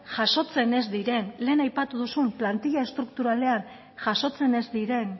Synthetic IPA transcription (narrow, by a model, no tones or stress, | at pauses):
ʝaso̞t͡se̞ne̞zd̪iɾe̞nle̞ːnajpat̪uðusumplant̪iʎae̞st̪ɾuk̚t̪uɾale̞an | ʝaso̞t͡se̞ne̞zd̪iɾe̞n